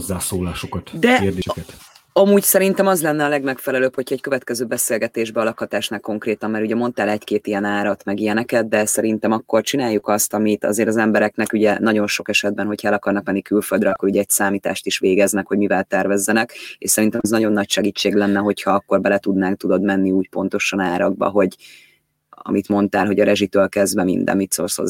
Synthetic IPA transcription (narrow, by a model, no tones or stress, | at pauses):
zːaːsoːlaːʃokɒt̪d̪ɛkerd̪ekɛt̪ | ɒmuːɟsɛɾint̪ɛmɒzlɛnːɛɒlɛɡmɛkfɛlɛløːpho̞cʰhɒɛc̚køvɛt̪kɛzøːbɛseːlɡɛt̪eːʒbɛɒlɒkhɒt̪aːʃnakːo̞ŋkreːt̪ɒmmɛɾuɟɛmo̞nt̪aːlɛckeːt̪ijɛnaːɾɒt̪mɛɡijɛnɛkɛd̪̚d̪ɛsɛɾint̪ɛmɒkːo̞rt͡ʃinaːjːukɒst̪ɒmit̪ɒ̰zeːɾɒzɛmbɛɾɛknɛkuɟɛnɒɟo̞nʃo̞kɛʃɛd̪bɛnɦo̞chɒɛlɒkɒrnɒkmɛnːikylfø̞ld̪ɾɛɒkːo̞ɾuɟɛɛcsaːmiːt̪a̰ːʃt̪iʃʋeːɡɛznɛkho̞ɟmivɛlt̪ɛrvɛzːɛnɛkḛʃsɛɾint̪ɛmɛznɒɟo̞nːɒcʃɛɡiːt͡ʃːeːɡlɛnːɛɦo̞chɒɒkːo̞rbɛlɛt̪ud̪naːŋk̚t̪ud̪o̞d̪mɛnːiuːcpo̞n̪t̪o̞ʃɒnaːɾɒɡ̚bɒ̰ɦo̞ɟ | ɒ̰mit̪mo̞nt̪aːlɦo̞ɟɒɾɛʒit̪øːlkɛzd̪vɛmḭnd̪ɛ̰mit̪so̰ːrsho̰z